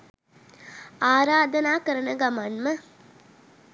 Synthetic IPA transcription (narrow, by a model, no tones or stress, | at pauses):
aːɾaːd̪ɐnaːkəɾənəɡamanmə